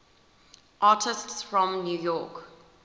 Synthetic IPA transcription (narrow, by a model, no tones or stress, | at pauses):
ʔɑːˑtʰɪstsfɹɔ̃mnjuːjɔːˑk